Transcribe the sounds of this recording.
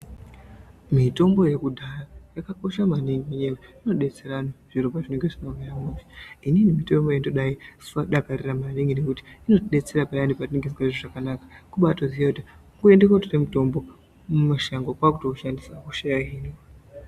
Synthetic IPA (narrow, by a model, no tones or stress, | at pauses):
mito̞mbo̞je̞kudʱarajakako̞ʃamaniŋɡijeweino̞ɗe̞t͡se̞ɾanoʐ̥iɾobaʐineŋɡeʐinomajamuːviininimito̞mbo̞jendoɗai̥faɗakariramaneŋɡinekuti̥ino̞tɗe̞t͡se̞ɾapaandipatineŋɡezɡaeʐoʐakanakḁkuɓatozijakutiŋɡue̞ndekwaturemuto̞mbo̞ | mumaʃaŋɡokwakutokuʃandisakuʃajaɦiːno